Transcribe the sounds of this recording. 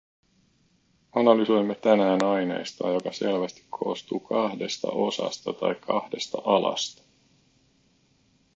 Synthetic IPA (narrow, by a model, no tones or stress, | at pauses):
ɑnɑlyso̞jmːet̪ænæːnɑjne̞̰ːst̪ɑ̰ːjo̞kɑse̞lʋæst̪i̥kʰo̞̰ːst̪uːkʰɑhde̞st̪ɑ̰ʔo̞sɑ̰st̪ɑt̪ɑ̰jkʰːɑhdest̪ɑʔɑlɑ̰st̪ɑ̥